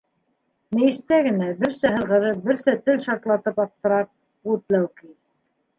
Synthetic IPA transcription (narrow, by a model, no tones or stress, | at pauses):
nɘ̆jɘ̆st̪æɡɘ̆næbɘɾsæɦɤ̆ðʁɤ̆ðɤp̚bɘɾsɘt̪ɘlʃɑɾt̪lˠɑt̪ɤpɑp̚t̪ːɤ̆ɾɑp̚ | ut̪læwkið